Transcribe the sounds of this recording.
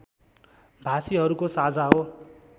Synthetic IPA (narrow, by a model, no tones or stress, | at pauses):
bʱasiɦʌɾukosad͡zʱaɦo